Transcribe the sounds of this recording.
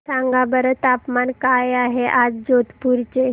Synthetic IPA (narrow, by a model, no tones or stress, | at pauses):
sãŋɡabəɾət̪apmankajaɦeʔad͡zd͡ʑot̪puɾt͡ɕe